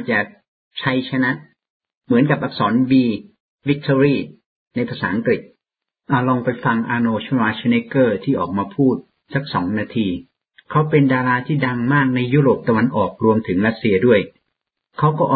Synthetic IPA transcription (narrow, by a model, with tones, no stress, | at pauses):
t͡ɕaː˨˩k̚ | t͡ɕʰa˧jt͡ɕʰa˧na˦˥ʔ | mɯ˩˦ənka˨˩p̚ʔa˨˩k̚sɔː˩˦nwiː˧ | wi˦˥k̚t̪ʰoː˧ɾiː˥˩ | na˧jpʰa˧saː˩˦ʔa˧ŋkɾi˨˩t̪̚ | ʔa˨˧˩lɔː˧ŋpa˧jfa˧ŋʔaː˧noː˧t͡ɕʰu˥˩waː˧˥t͡ɕʰa˧ne˦˥kɤː˥˩t̪ʰiː˥˩ʔɔː˨˩k̚maː˧pʰuː˥˩t̪̚ | sa˦˥k̚sɔ̰ː˩˦ŋnaː˧t̪ʰiː˧ | kʰa˦˥wpe˧ndaː˧ɾaː˧t̪ʰiː˥˩da˧ŋmaː˥˩k̚na˧jːuː˥˩ɾoː˨˩p̚t̪a˧wa˧nʔɔː˨˩k̚ɾu˧əmt̪ʰɯ˩˦ŋɾa˦˥t̪̚si˧ɐdu˥˩əj | kʰa˦˥wkɔː˥˩ʔɔː˨